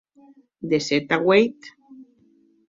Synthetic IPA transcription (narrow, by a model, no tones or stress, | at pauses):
d̪eset̪aɣwejt̪